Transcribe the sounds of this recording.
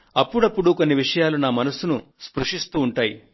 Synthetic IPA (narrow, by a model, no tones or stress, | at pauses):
ɐpːuɽɐpːuɽuko̞nːiʋiʂɐjaːlunaːmɐnɐsunuspɾuʂist̪uːɳʈaːjḭ